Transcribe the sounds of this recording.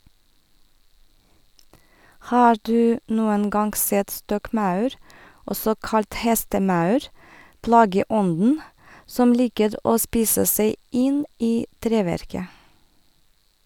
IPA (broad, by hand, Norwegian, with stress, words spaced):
ˈhɑːɹ ˈdʉː ˈnuːən ˈɡɑŋɡ ˈsɛt ˈstɔkˌmɑʉɾ ˈɔsɔ ˈkɑlt ˈhɛstəˌmɑʉɾ ˈplɑːɡəˌɔndn̩ ˈsɔm ˈliːkəɾ ˈʔoː ˈspiːsə ˈseɪ ˈʔɪn ˈʔiː ˈtɾeːʋæɾkə